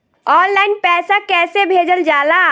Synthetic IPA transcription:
ɔːnlaːɪnpɛːsakɛːsebʱeːd͡ʒəld͡ʒaːla

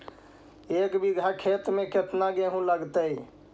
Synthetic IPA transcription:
ekbiɡʱakʰet̪meket̪naɡeɦũləɡt̪əj

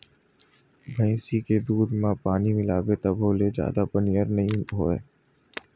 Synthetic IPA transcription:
bʱə̃ɪ̃siked̪uːd̪mãpaːnimɪlaːbet̪əbʱoːled͡ʒja̰ːd̪apənijəɾnəɦĩɦoːeː

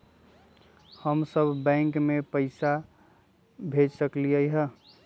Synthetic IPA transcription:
həmsəbʱbɛ̃ŋkmepəɪsa | bʱed͡ʒsəkliəjɦə

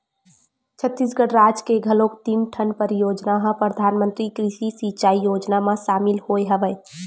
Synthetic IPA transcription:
t͡ʃʰət̪ːis̬ɡəɽɾad͡ʒkeɡʱəlokt̪imʈʰənpəɾjoːd͡ʒnaɦə̃pɾəd̪ʱaːnmə̃nt̪ɾikɾiʃisit͡ʃaːijoːd͡ʒnamãʃaːmɪlhoeɦəʋə

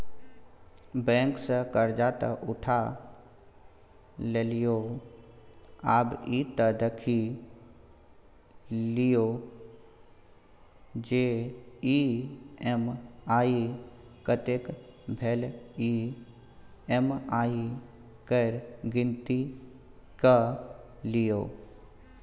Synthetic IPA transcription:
bɛ̃ːŋksəkəɾd͡ʒaːt̪ə̰ʔʊʈʰa | lelijo | aːbiːt̪əd̪əkʰi | lijo | d͡ʒei | emaːikət̪ekbʱeli | emaːi | kəɾɡɪnt̪i | kə | lijoː

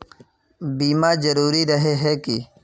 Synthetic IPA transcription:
biːmaːzəɾuːɾiɾəɦeɦɛːkɪ

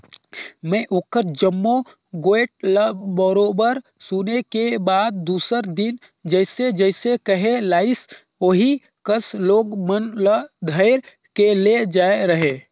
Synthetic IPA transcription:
mɛ̃ʔokəɾd͡ʒəmːo | ɡoeʈ̚ləbəɾoːbəɾsunekebaːd̪̚ːuːsəɾd̪ɪnd͡ʒəɪsed͡ʒəɪsekəɦelaːɪs | oɦi | kəsloːɡmənləd̪ʱəɪɾ | keled͡ʒaːeɾəɦe

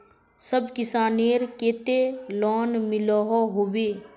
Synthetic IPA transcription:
səbkɪsaːneːɾkeːt̪elɔːnmɪlɔɦoɦoːweː

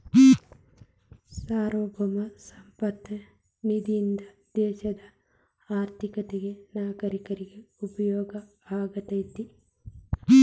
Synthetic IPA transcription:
saːɾoːbɔmɐsɐmpɐt̪ːɐ | mid̪ind̪ɐd̪̥eːʃɐd̪ɐ | aːɾt̪ɪkɐt̪ɛɡɛnaːɡɐɾɪkɐɾɪɡɛʊbɐjoːɡɐ | aːɡɐt̪ɐjt̪ːi

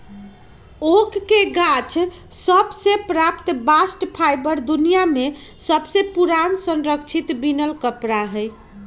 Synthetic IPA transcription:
okːeɡat͡ʃʰ | səbsepɾapt̪basʈpʰajbəɾd̪unijamesəbsepuɾansənɾəkt͡ʃʰit̪binəlkəpɾaɦəj

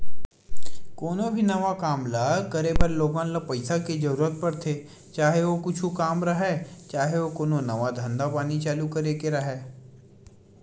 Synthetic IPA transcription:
koːnõbʱinɐʋakaːmlaːkɐɾeːbəɾloːɡãnlapɐɪsaked͡ʒɐɾuːɾət̪̚pɐɾt̪ʰeː | t͡ʃaːɦeʋokʊt͡ʃʰukaːmɾɐɦɛt͡ʃaːɦeʋokoːnõnɐʋad̪ʱɐ̃nd̪apaːnit͡ʃaːlukɐɾekeɾɐɦɛː

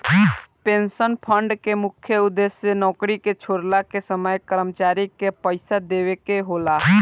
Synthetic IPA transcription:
pẽːnsənpʰə̃ɳɖkemʊkʰjəʊd̪esjenɔːkɾiket͡ʃʰoːɾlakesəməjkəɾəmt͡ʃaːɾikepəɪsad̪eːʋekeɦoːlaː

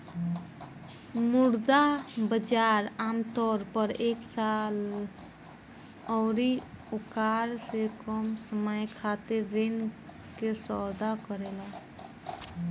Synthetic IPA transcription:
muɾd̪abəd͡ʒaɾamt̪ɔɾpəɾeksal | ɔːɾiukaɾsekɔmsəməjkʰat̪eɾːen | kesɔd̪akəɾela

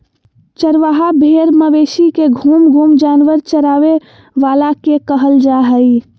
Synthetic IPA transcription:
t͡ʃəɾʋaɦabʱeɾməʋesikeɡʱumɡʱumd͡ʒaːnʋəɾt͡ʃəɾaːʋe | ʋalakekəɦəld͡ʒaɦəi

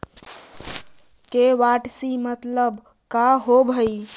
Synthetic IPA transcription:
keʋaʈsimət̪ləb | kaɦobʱəj

